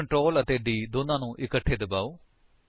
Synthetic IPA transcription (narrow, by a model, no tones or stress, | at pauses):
ɳʈɾoːlət̪eːɖiːd̪oːnãːnũːʔɪkəʈʰːeːd̪əbaːoː